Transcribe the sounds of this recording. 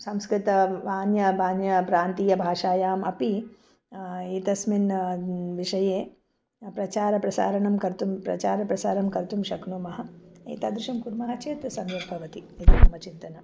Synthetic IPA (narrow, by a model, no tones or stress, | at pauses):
sɐmskɾɪt̪ɐʋaːnjɐbaːnjɐpɾaːnt̪iːjɐbʱaːʂaːjaːmɐpi | iːt̪ɐsminʋiʂɐjeː | pɾɐt͡ʃaːɾɐpɾɐsa̰ːɾɐɳɐmkɐɾt̪umpɾɐ̰t͡ʃaːɾɐpɾɐsaːɾɐmkɐɾt̪umʃɐknuːmɐɦɐḭːt̪aːd̪ɾuʃɐmkuɾmɐɦɐt͡ʃeːt̪ɾɐsɐmjɐbʱɐʋɐt̪iiːt̪ɐt̪umɐt͡ʃint̪ɐnɐ